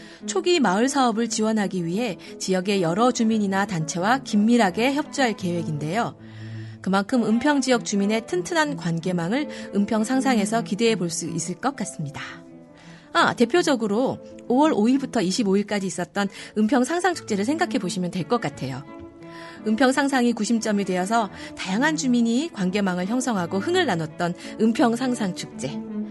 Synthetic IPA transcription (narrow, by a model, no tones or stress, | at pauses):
t͡ɕʰoɡimaɯɭsʰaʌbɯɭt͡ɕiwʌnɦaɡiɥiɦe̞ | t͡ɕijʌɡe̞jʌɾʌd͡ʑumiɲinatant͡ɕʰe̞wakimːiɾɦaɡe̞çjʌp̚t͡ɕ͈uɦaɭke̞we̞ɡinde̞jo | kɯmankʰɯmɯmpʰjʌŋd͡ʑijʌk̚t͡ɕ͈umine̞tʰɯntʰɯnankwanɡe̞maŋɯɭɯmpʰjʌŋsʰaŋsʰaŋe̞sʰʌkide̞eboɭs͈uis͈ɯɭk͈ʌk͈as͈ɯmɲida | a̰te̞pʰjod͡ʑʌɡɯɾoːwʌɾoiɭbutʰʌiɕʰiboiɭk͈ad͡ʑiːs͈ʌt̚t͈ʌnɯmpʰjʌŋsʰaŋsʰaŋt͡ɕʰu̥k̚t͡ɕ͈e̞ɾɯɭsʰe̞ŋɡakʰe̞boɕʰimjʌntwe̞ɭk͈ʌk͈atʰe̞jo | ɯmpʰjʌŋsʰaŋsʰaŋikuɕʰimt͡ɕ͈ʌmidwe̞ʌs̬ʰʌtajaŋɦand͡ʑumiɲikwanɡe̞maŋɯɭçjʌŋsʰʌŋɦaɡohɯŋɯɭːanʌt̚t͈ʌnɯmpʰjʌŋsʰaŋsʰaŋt͡ɕʰuk̚t͡ɕ͈e̞